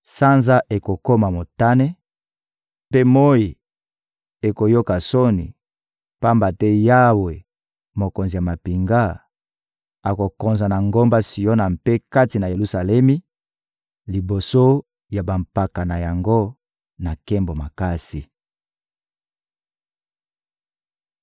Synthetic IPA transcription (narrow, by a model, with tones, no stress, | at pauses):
sa˦nza˦ʔe˨ko˨ko˦ma˨mo˨ta˦ne˦ | pe˦mo˦ji˨ | e˨ko˨jo˦ka˨so˦ni˨ | pa˦mba˨tɛ˦ja˦we˨ | mo˨ko˨nzi˨ja˨ma˨pi˨ŋɡa˦ | a˨ko˨ko˨nza˨na˨ŋɡo˦mba˦si˨jo˦na˨mpe˦ka˦ti˨na˨je˨lu˦sa˨lɛ˦mi˦ | li˨bo˨so˦ | ja˨ba˨mpa˨ka˨na˨ja˨ŋɡo˦ | na˨kɛ˦mbo˨ma˨ka˦si˨